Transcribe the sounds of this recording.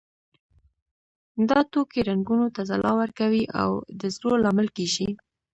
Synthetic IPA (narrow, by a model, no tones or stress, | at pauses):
d̪ɑt̪okeɾaŋɡunot̪azalʔɑwəɾkawiʔa̰wd̪əzɾolɑməlkeʃi